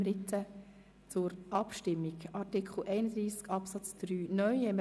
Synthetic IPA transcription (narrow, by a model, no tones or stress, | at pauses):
ɾɪtʰə | t͡sʊɾʔɑpʃtɪmːiɡɑɾtikʰχl̩ɛɪnəd̪ɾiːskʰɑpsɑt͡sd̥ɾyːnœʏhɛmə